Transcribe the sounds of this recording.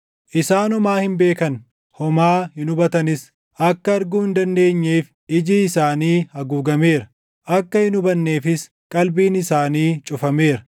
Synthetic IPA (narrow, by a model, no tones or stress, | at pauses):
ʔɪsaːnɔmaːhɪmbe̞ːkɐn | hɔmaːhɪnʊbɐt̪ɐnɪs | ʔɐkːɐɐɾɡuːhɪnd̪ɐnd̪e̞ːɲːeːf | ɪd͡ʒiːɪsaːniːhɐɡuːɡɐmeːɾɐ | ʔɐkːɐhɪnʊbɐnːeːfɪs | kʼɐlbiːnɪsaːniːt͡ʃʼʊfɐme̞ːɾɐ